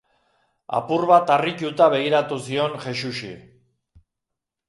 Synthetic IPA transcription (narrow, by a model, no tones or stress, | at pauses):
a̰purβat̪arit͡ʃut̪aβ̞e̞ɣ̞iɾat̪usio̞nʝe̞suʃḭ